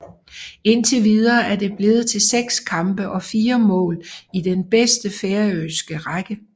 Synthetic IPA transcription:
e̝nt͡sʰe̝ʋið̞ˠɐːæɐde̝b̥le̝ð̩ˠt͡sʰe̝lseɡ̥skʰɑ̈mb̥əʔɒ̽fiːɐmɔ̰̽ːlid̥enb̥esd̥əfeɐøsɡ̥əʁɑɡ̥ə

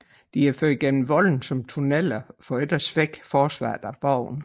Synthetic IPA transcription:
d̥iæɐføɐ̥iɡ̥en̰m̩ʋɒ̽ln̩sɒ̽mt͡sʰunel̰ɐfɒ̽ed̥ɐsʋeɡ̥fɒːsʋɑ̰̈ːd̥æb̥ɑʊ̰n

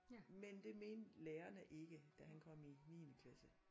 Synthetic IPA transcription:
mend̥e̝me̝ːnleːɐnəʔe̝ɡ̥əd̥æɦænkʰɒ̽m̰iniːnəkʰlæsə

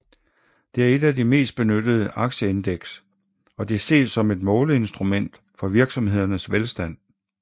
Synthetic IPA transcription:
d̥e̝æɐe̝d̥æd̥ime̝̰ːsd̥b̥e̝nød̥əð̞ˠəʔɑ̈ɡ̥ɕəe̝nd̥eɡ̥s | ɒ̽d̥e̝ɐse̝̰ːd̥sɒ̽me̝d̥mɔ̽ːləe̝nsd̥ʁumen̰d̥ | fɒ̽ʋiɐɡ̥sɒ̽mhe̝ð̞̰ˠɐnəsʋelsd̥æn̰

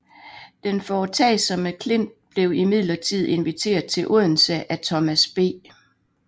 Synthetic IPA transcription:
d̥enfɒːt͡sʰɛ̰ɪsɒ̽məkʰle̝n̰d̥̚b̥le̝ʊimið̰ˠlɐt͡sʰið̞̰ˠe̝nʋit͡sʰe̝̰ːɐðˠt͡sʰe̝lʔɔð̰ˠn̩səʔæt͡sʰɒ̽mæsb̥e̝̰ː

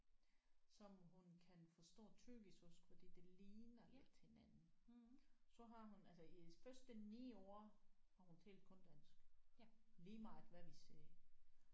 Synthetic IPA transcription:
sɒ̽mɦunkʰænfɒ̽sd̥ɔ̰ːt͡sʰyɡ̥ishɔsɡ̥fɒd̥ḭːd̥e̝liːnɐle̝d̥̚he̝nænn̩ | sɒ̽ɦɑ̈ɦunælsɒifɶɐsd̥ənḭːo̝̰ːhɑ̈hunt͡sʰḛːld̥̚kʰɔ̽nd̥æn̰sɡ̥ | liːmɑ̈ɪd̥ʋæʋiseː

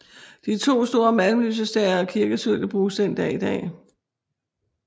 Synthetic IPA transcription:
d̥it͡sʰo̝̰ːsd̥o̝ːɐmælm̩ly̰ːsəsd̥ɛɪɐɒkʰiɐɡ̥əsøl̰jəb̥ʁuːsd̥en̰d̥ɛ̰ːid̥ɛ̰ː

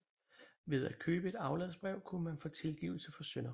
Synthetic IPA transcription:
ʋe̝ð̞ˠæ̥kʰøːb̥əe̝d̥ɑ̈ʊlɛ̰ð̩ˠsb̥ʁɛʊ̰kʰunmænfɔ̽ːt͡sʰe̝lɡ̥ḭʊl̩səfɒ̽sønɐ

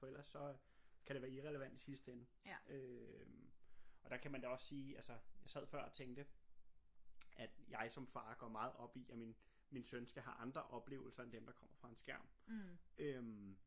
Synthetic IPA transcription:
fɒ̽el̰ɐsːɒ̽ | kʰæɾ̥eʋæːɐiʁɛləʋæn̰d̥isisd̥enə | ø | ɒ̽d̥ɑ̈kʰæmænd̥æɒ̽sːiːælsɐjɑ̈ɪsæð̞̰ˠfɶɐ̰ɒ̽t͡sʰeŋɡd̥ə | æd̥jɑ̈ɪsɒ̽mfɑ̈ːɡ̥ɒːmɑ̈ːð̞̩ˠɒ̽b̥iæmin | minsønsɡ̥æɦɑ̈ʔɑ̈nd̥ʁɐʔɒ̽b̥le̝̰ːʊl̩sɐend̥emd̥ɑ̈kʰɒ̽m̰ɐfʁɑ̈e̝nsɡ̥æɐ̰mʔøm

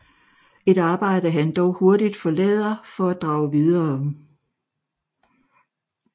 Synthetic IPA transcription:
e̝ɾ̥ɑ̈ːb̥ɑ̈ɪ̰ɾəɦænd̥ɒʊho̝ɐd̥id̥fɒ̽lɛ̰ːðˠɐfɒ̽æd̥ʁɑ̈ʊʋiðˠɐːɒm

